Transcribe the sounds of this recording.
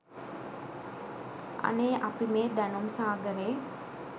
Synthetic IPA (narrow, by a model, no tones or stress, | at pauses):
ɐ̰neːʔapimeːd̪ænumsaːɡəɾeː